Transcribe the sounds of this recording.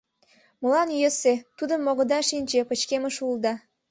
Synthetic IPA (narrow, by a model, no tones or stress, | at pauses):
mə̆lɑnjəset̪ud̪əmːoɣə̆d̪ɑʃinʲt͡ɕepə̆t͡ɕkemə̆ʃuld̪ɑ